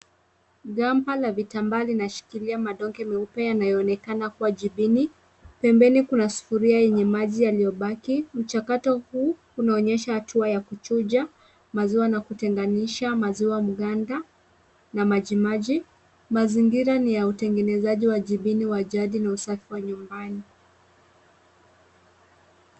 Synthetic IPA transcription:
ɡampalavitambalinaʃi̥kiliamaɗɔŋɡɛmiupɛjanajɔːnɛkanakuwaʄiɓini | pɛmbɛnikunasu̥fuɾiajɛɲɛmaʄijalijɔɓakim̩t͡ʃakatɔhuː | unaɔɲɛʃahatʰuajakut͡ʃud͡ʒa | maziwanakutɛŋɡaniʃamaziwamuɠanda | namaʄimaʄi | maziŋɡiɾanijautɛŋɡɛnɛzaʄiwaʄiɓiniwaʄaɗinausafiwaɲumbani

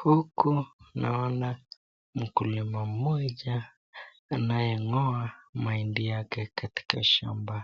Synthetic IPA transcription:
hukunaɔnda | m̩kulimam̩mɔʄaː | najɛŋɔamaindijakɛkati̥kaʃa̰mba

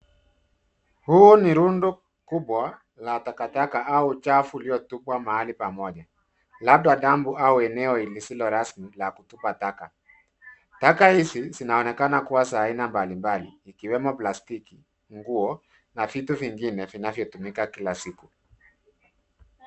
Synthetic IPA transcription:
huɔniɾundɔ | kuɓwa | latakatakaʔaut͡ʃafuliɔtupwamahalipamɔʄa | lab̚ɗaɗambuauɛnɛɔilisilɔɾasmilakutupataka | takahisizinaɔnɛkanakuwasainambalimbaliːkiwɛmɔplastiki | ŋɡuɔ | navituviŋɡinɛvinavjɔtumikakilasiku

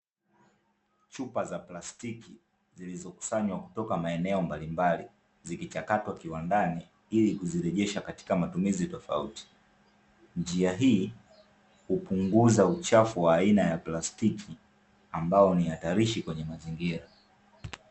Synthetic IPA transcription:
t͡ʃupazaplastiki | zilizɔku̥saɲwaku̥tɔkamaɛnɛɔmbalimbali | zikit͡ʃakatwakiwandani | ilikuziɾɛʄɛʃakati̥kamatumizitɔfa̰uti̥ | nd͡ʒiaɦiː | hupuŋɡuzaut͡ʃafuwaːinajaplastikʰi | ambaɔniataɾiʃikwɛɲɛmaziŋɡiɾa

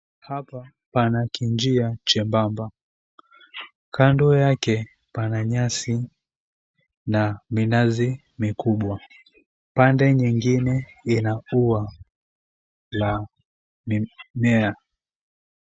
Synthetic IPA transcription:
hapa | panakʰiɲd͡ʒiat͡ʃɛmbamba | kʰandɔjakɛ | panaɲasi | naminazi | mikuɓwa | pandɛɲiŋɡinɛinaua | la | mimɛa

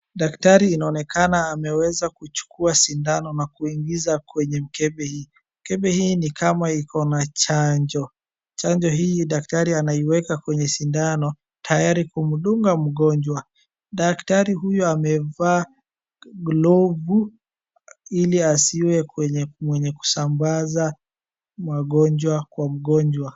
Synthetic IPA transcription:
ɗaktaɾiːnaɔnɛkanaːmɛwɛzakut͡ʃu̥kuasindanɔnakuiŋɡizakwɛɲɛm̩kɛɓɛhiː | m̩kɛɓɛhiːnikamaikʰɔnat͡ʃaɲd͡ʒɔ | t͡ʃaɲd͡ʒɔɦiiɗak̚taɾianaiwɛkakwɛɲɛsindanɔ | tʰajaɾikum̩ɗuŋɡam̩ɠɔɲd͡ʒwa | ɗaktaɾiɦujɔamɛvaː | ɡlɔvu | iliasiwɛɛɲɛmwɛɲɛku̥sambaza | mwaɠɔɲd͡ʒwakwam̩ɠɔɲd͡ʒwa

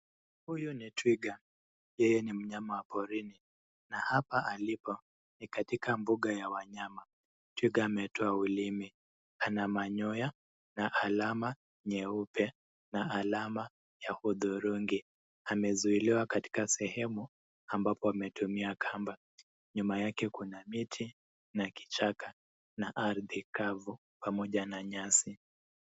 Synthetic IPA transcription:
hujunitwiɡa | jɛjɛnim̩ɲamawapɔɾini | nahapaʔalipɔ | nikatikʰambuɠajawaɲama | twiɡaːmɛtʰɔaulimi | anamaɲɔja | naʔalama | ɲɛupʰɛ | naːlama | jahuðuɾuŋɡi | amɛzuiliwakati̥kasɛhɛmu | ambapɔamɛtumiakʰamba | ɲumajakɛkunamitʰi | naki̥t͡ʃaka | naʔaɾðikavu | pamɔʄanaɲasi

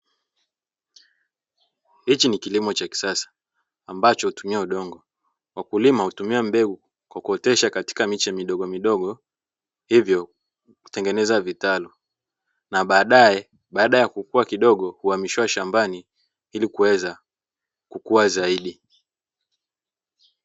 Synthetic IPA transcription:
hit͡ʃinikilimɔt͡ʃaki̥sasḁː | mbat͡ʃɔhutumiauɗɔŋɡɔ | wʔakulimahutumiam̩bɛɡu | kwakuɔtɛʃakati̥kamit͡ʃɛmiɗɔɠɔmiɗɔɠɔ | hivjɔ | ku̥tɛŋɡɛnɛzavitalɔ | naɓaːɗaɛ | ɓaːɗajakukuakiɗɔɠɔhuamiʃiwaʃambani | ilikuwɛza | kukuwazaiɗi

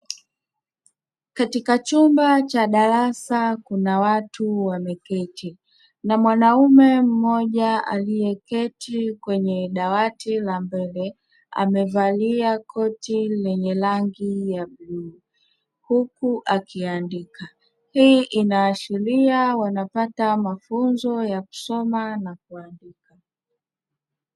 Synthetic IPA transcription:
katikat͡ʃumbat͡ʃaɗaɾasakunawatuwamɛkɛtʰi | namwanaumɛm̩mɔʄaa̰lijɛkɛtʰikwɛɲɛɗawatilambɛlɛ | a̰mɛvaliakʰɔtilɛɲɛlaŋɡijabluː | hukuʔakiandika | hiːʔinaːʃiɾiawanapatamafunzɔjaku̥sɔmanak̚uandika

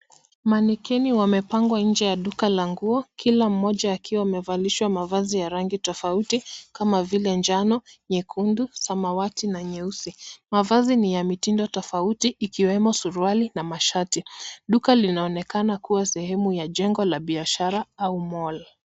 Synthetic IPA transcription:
manikɛniwamɛpaŋɡwaɲ̩d͡ʒɛjaɗukalaŋɡuɔkʰilam̩ːɔʄaːkiwamɛvaliʃwamavazijaɾaŋɡitɔfautikamavilɛnd͡ʒanɔɲɛkʰundusamawatinaɲɛusimavazinijamitindɔtɔfautiʔːkiwɛmɔsuɾualinamaʃatiɗukalinaɔnɛkanakuwasɛhɛmujaʄɛŋɡɔlaɓiaʃaɾaaumɔla

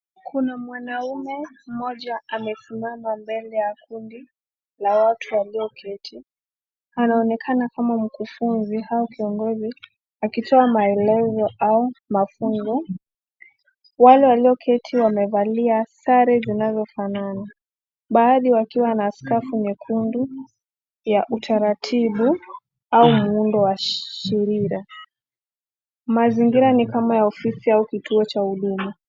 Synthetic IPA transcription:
kʰunamwanaumɛm̩mɔʄaamɛsimamambɛlɛjakundi | lawatʰuwaliɔkʰɛtʰi | anaɔnɛkʰanakamam̩kufunzihaɔkiɔŋɡɔzi | akitʰɔamaɛlɛzɔʔaumafuŋɡɔ | walɛwaliɔkʰɛtʰiwamɛvaliasaɾɛzinazɔfanana | ɓaːɗiwakiwanaːskafuɲɛkʰundu | jaʔutʰaɾatʰiɓu | aumuundɔwaʃiɾiɾa | maziŋɡiɾanikamajaɔfisiaukitʰuɔt͡ʃauɗuma

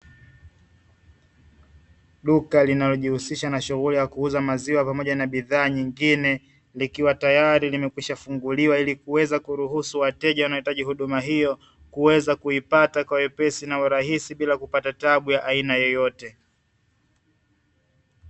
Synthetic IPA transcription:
ɗukalinalɔʄihusiʃanaʃuɣulijakuuzamaziwapamɔʄanaɓiðaːɲiŋɡinɛ | likiwatajaɾilimɛkwiʃafuŋɡuliwailikuwɛzakuɾuɦusuwatɛʄawanaɔitaʄihuɗumaɦijɔ | kuwɛzakuipatakwaɛpɛsinauɾaɦisiɓilakupatataɓujaʔainajɛjɔtɛ

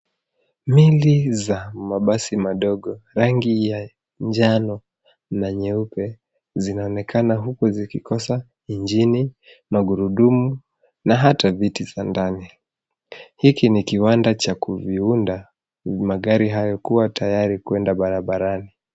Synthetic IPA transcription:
milizamaɓasimaɗɔɠɔɾaŋɡija | ɲd͡ʒanɔ | naɲɛupɛ | zinaɔnɛkʰanaɦukɔzikikɔsa | iɲd͡ʒini | maɡuɾuɗumu | naɦatavitizandani | hikinikiwandat͡ʃakuviunda | maɠaɾiɦajɔkuwatʰajaɾikwɛndaɓaɾaɓaɾani

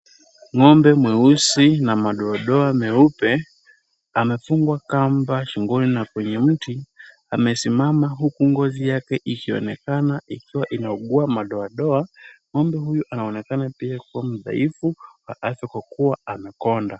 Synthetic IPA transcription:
ŋɔmbɛmwɛusinamaɗɔaɗɔamɛupɛ | amɛfuŋɡwakambaʃiŋɡulinakwɛɲɛm̩ti | amɛsimamaɦukuŋɡɔzijakɛʔikiɔ̰nɛkanaikiwaʔinaɔɠuamaɗɔaɗɔaŋɔmbɛɦujuʔanaɔnɛkanapiakuwam̩ða̰ifuwa̰ʔafjakwakuwaamɛkɔnda

